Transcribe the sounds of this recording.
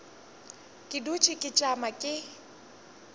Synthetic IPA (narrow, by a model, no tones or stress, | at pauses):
kʼɪdut͡ʃʰʼɪkʼɪt͡ʃʼamakʼɪ